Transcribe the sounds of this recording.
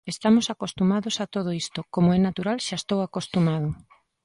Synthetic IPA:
est̪amosakost̪umaðosat̪oðoist̪okomoɛnat̪uɾalʃaest̪owakost̪umað̞ʊ

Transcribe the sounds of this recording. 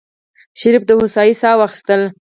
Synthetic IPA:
ʃɪɾifd̪əhʊsɑjisɑwɑxi̥st̪əl

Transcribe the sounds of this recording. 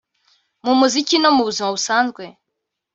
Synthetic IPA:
mumuzicinɔmuβuzimaβusanzɡwɛ

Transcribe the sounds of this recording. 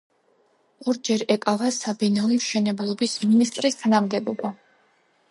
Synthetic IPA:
ɔɾd͡ʒɛɾɛkʼavasabɛnalimʃɛnɛbalˠɔbisminist̪ʼɾist̪ʰanamɡɛbɔba

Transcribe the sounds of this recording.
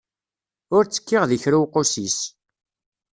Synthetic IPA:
ʊɾt͡sːə̥kːɪʁðiçɾuwqosis

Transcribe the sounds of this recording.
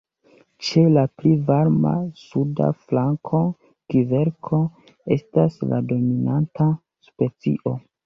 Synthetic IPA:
t͡ʃe̞laplivaɾma̰suda̰flaŋkʰo̞ | kive̞ɾkʰo̞ | e̞̰stasla̰do̞minanta | spe̞t͡sḭʔo̞

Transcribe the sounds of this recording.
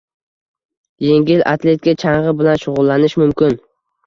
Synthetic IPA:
je̞ŋɡʲɪlʔa̰t̪ʰle̞t̪̚kʲat͡ʃʰaɴʁɨbɪlanʃʊʁʊlˠːanɪʃmʊmkʲɪn

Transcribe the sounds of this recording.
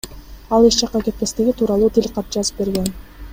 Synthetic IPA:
ɑlˠiʃt͡ʃɑqːɑke̞t̪̚ke̞st̪iɡʲit̪ʰuːɾɑlˠuːt̪ʰilʲqɑp̪̚d͡ʒɑzɯp̚be̞ɾɡe̞n

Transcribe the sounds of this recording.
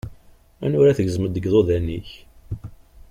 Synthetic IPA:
æ̰nʊɾæθəʝəzməd̪ːəɡðˤoðænːiç

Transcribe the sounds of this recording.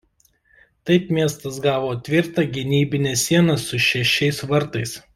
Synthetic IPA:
t̪ɐɪpmʲiɛst̪ɐs̬ɡɑːʋoːt̪ʲʋʲɪɾt̪ɑɡʲɪnʲiːbʲɪnʲɛːsʲiɛnɐsʊʃʲɛʃʲɛɪsʋɐɾt̪ɐɪs

